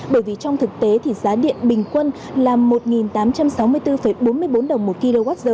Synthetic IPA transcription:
ɓəː˧˩jvi˨˩t͡ɕɔ˧wŋ͡mt̪ʰɨ˨˩k̚t̪e˨˦t̪ʰi˨˩zaː˨˦ɗḭ˧˨ənɓï˨˩ŋ̟kwə˧n | laː˨˩mːo˨˩t̚ŋi˨˩nt̪aː˨˦mt͡ɕa˧msa˨˦wmɨ˧əjt̪ɨ˧fə˧˩jjɓo˨˦nmɨ˧əjɓo˨˦nɗə˨˩wŋ͡mmo˨˩t̚ki˧lo˧ɣa˦˥t̚zəː˧

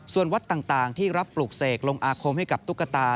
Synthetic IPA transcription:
su˨˩ənwa˦˥t̪ːaː˨˩ŋt̪aː˨˩ŋt̪ʰiː˥˩ɾa˦˥pːluː˨˩k̚seː˨˩k̚lo˧ŋʔaː˧kʰo˧mha˥˩jka˨˩p̚t̪u˦˥kːa˧t̪aː˧

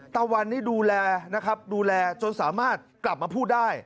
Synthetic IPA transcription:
t̪aː˧wa˧nːiː˥˩duː˧lɛː˧na˦˥kʰa˦˥p̚duː˧lɛː˧t͡ɕo˧nsaː˩˦maː˥˩t̪̚kla˨˩p̚maː˧pʰuː˥˩daː˥˩j

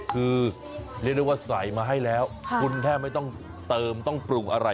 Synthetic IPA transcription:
kʰɯː˧ | ɾi˥˩k̚dwa˥˩sa˩˦jmaː˧ɦa˥˩jlɛː˦˥wkʰu˧nt̪ʰɛː˥˩ma˥˩jt̪ɔ˥˩ŋ | t̪ɤː˧mt̪ɔ˥˩ŋpɾu˧˩ŋʔa̰˧ɾa˧

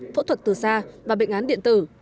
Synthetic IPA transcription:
fo̰˧˥t̪ʰwə˨˩t̚t̪ɨ˨˩saː˧vaː˨˩ɓḛ˧˨ŋʔaː˨˦nɗḭ˧˨ənt̪ɨ˧˩

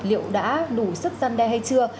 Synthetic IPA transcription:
lḭ˧˨əwɗa̰ː˧˥ɗu˧˩sɨ˦˥k̚za˧nɗɛ˧ɦa˧jt͡ɕɨ˧ə

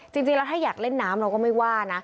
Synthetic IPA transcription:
t͡ɕi˧ŋt͡ɕi˧lɛ˦˥wt̪ʰaː˥˩jaː˨˩k̚le˥˩nːaː˦˥mɾɛ˦wkɔː˥˩ma˥˩jwaː˥˩na˦˥

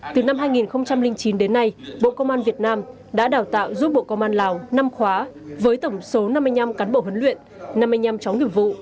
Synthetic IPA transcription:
t̪ɨ˨˩na˧mɦaː˧jŋi˨˩nxə˧wŋ͡mt͡ɕa˧mlï˧ŋt͡ɕi˨˦nɗe˨˦nːa˧jɓo̰˧˨kə˧wŋ͡mʔaː˧nvi˨˩ət̚naː˧m | ɗa̰ː˧˥ɗaː˨˩wt̪a̰ː˧˨wzu˦˥t̚ɓo̰˧˨kə˧wŋ͡mʔaː˧nlaː˨˩wna˧mxwaː˨˦vəː˨˦jt̪ə˧˩wŋ͡mso˨˦na˧mːa˧jɲa˧mkaː˨˦nɓo̰˧˨ɦwə˨˦nlwḭ˧˨ən | na˧mːa˧jɲa˧mt͡ɕa˨˦wŋi˨˧˩əm̚vṵ˧˨

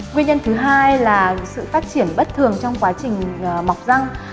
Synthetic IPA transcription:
ŋwi˧ənɲə˧nt̪ʰɨ˨˦ɦaː˧jlaː˨˩sɨ̰˧˨faː˦˥t̚t͡ɕi˧˩ənɓə˦˥t̚t̪ʰɨ˨˩əŋt͡ɕɔ˧wŋ͡mkwaː˨˦t͡ɕï˨˩ŋ̟˨˩ma˨˩wk͡p̚za˧ŋ

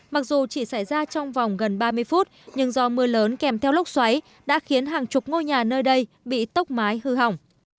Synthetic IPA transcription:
ma˨˩k̚zu˨˩t͡ɕi˧˩sa˧˩jzaː˧t͡ɕɔ˧wŋ͡mva˨˩wŋ͡mɣə˨˩nɓaː˧mɨ˧əjfu˦˥t̚ɲɨ˧ŋzɔ˨˦mɨ˨˩ələː˨˦nkɛ˧˩mt̪ʰɛ˧wlʊ˦˥k͡p̚swa˨˦j | ɗa̰ː˧˥xi˨˦ənɦaː˨˩ŋt͡ɕʊ˨˩k͡p̚ŋo˧jɲaː˨˩nəː˧jɗə˧j | ɓḭ˧˨t̪ə˦˥k͡p̚maː˨˦jhɨ˧˩ɦa̰˨˧˩wŋ͡m

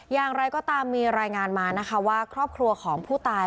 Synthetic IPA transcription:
jaː˨˩ŋɾa˧jkɔː˥˩t̪aː˧mːiː˧ɾaː˧jŋaː˧nmaː˧na˦˥kʰa˦˥waː˥˩kʰɾɔː˥˩p̚kʰɾu˧ɐkʰɔː˩˦ŋpʰuː˥˩t̪aː˧

